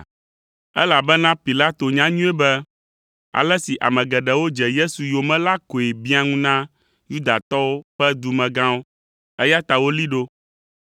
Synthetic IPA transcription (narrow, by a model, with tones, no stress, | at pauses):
ɛ˦la˨bɛ˦nã˦pi˨la˦t̪o˨ɲã˦ɲũ˦ɛ˦bɛ˦ | a̰˨lɛ˦si˨ʔa̰˨mɛ̃˨ɡɛ˨ɖɛ˨wo˦d͡ʒɛ˨je˦su˨jo˨mɛ̃˦la˦ko˨e˨bi˦a˦ŋũ˦nã˦ | ju˦d̪a˨t̪ɔ˦wo˦ɸɛ˦d̪u˨mɛ̃˨ɡã˦wo˦ | ɛ˦ja˦t̪a˨wo˦li˦ɖo˦